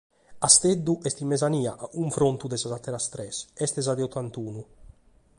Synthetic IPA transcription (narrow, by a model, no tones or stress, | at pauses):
ast̪ed̪ːuʔɛst̪imːɛzaniːaʔauɱfɾont̪ud̪ɛsazat̪ːɛɾast̪ɾɛsɛst̪ɛzad̪ɛɔt̪ʰːant̪uːnu